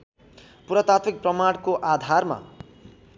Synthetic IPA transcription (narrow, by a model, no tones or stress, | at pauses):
puɾʌt̪at̪ʰik̚prʌmaɽkoʔad̪ʱarma̰